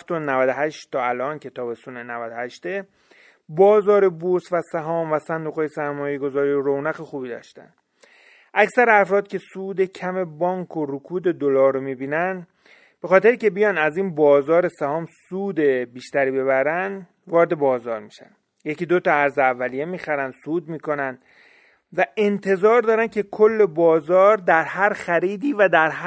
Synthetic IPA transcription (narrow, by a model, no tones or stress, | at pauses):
ft̪onævæd̪oɦæʃt̪ʰːɒːælʔɒːncʰe̞t̪ʰɒːbe̞sunenævæd̪ohæʃt̪e | bɒːzɒːɾe̞boɾsvæsæɦɒːmvæsænd̪uɣɒːjesæɾmɒːje̞ɡo̞zɒːɾijoɾownæɣexuːbiːd̪ɒ̰ʃt̪æ̰n | ʔæksæɾeæfɾɒːd̪̚cʰe̞suːd̪e̞cʰæme̞bɒːŋkʰoɾokʰuːd̪e̞d̪olɒːɾɾomiːbiːnæn | b̥e̞xɒːt̪ʰeɾiːcʰe̞bijɒnæziːnbɒːzɒːɾe̞sæhɒːmsuːd̪e̞biːʃt̪æɾiːbe̞βæɾænd̪ | vɒːɾed̪e̞bɒːzɒːɾmiːʃæ̰n | je̞ciːd̪ot̪ɒæɾzeævːælije̞miːxæɾænd̪̥suːd̪miːko̞nænd̪̥ | væe̞nt̪ʰe̞zɒːɾd̪ɒːɾæn̥cʰe̞kʰolːe̞bɒːzɒːɾd̪æɾhæɾxæɾiːd̪iːvæd̪æɾɦ